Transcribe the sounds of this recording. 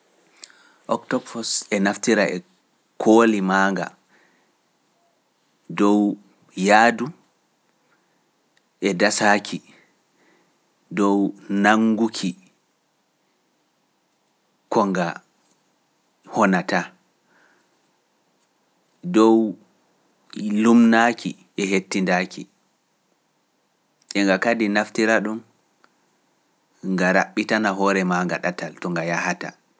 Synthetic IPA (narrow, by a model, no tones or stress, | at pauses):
ʔɔktɔɡfɔsɛnaftiɾaʔɛ | kʰolimaːŋɡa̰ | dɔw | jaːdu | ʔɛdasaːkʰi | dɔwnaŋɡukʰi | kɔŋɡa̰ | hɔnata | dɔw | lumnakʰḭ | ʔɛɦetːindakḭ | ʔɛŋɡakadinaftiɾaɗum | ŋɡaɾaɓːitanaɦɔːɾɛmaŋɡaɗataltɔŋɡajahata̰